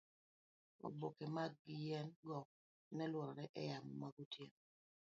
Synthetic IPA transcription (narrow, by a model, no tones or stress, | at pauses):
o̰bokemaɡjɛnɡɔ | nɛlwɔɾɔɾɛʔɛjamɔmaɡutjen